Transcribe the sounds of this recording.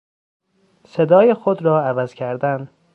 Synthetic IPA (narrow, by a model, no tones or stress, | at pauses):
se̞d̪ɒːjexod̪ɾɒːævæz̥cʰæɾd̪æn